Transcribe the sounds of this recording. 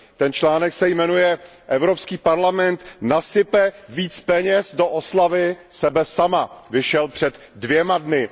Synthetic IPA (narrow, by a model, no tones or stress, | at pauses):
t̪ɛnt͡ʃlaːnɛksɛjmɛnujɛʔɛvɾo̞pskiːpaɾlamɛnt̪nasɪpɛviːt͡spɛɲɛsdoʔoslavɪsɛbɛsamavɪʃɛlpr̝̥ɛd̪ | dvjɛmadnɪ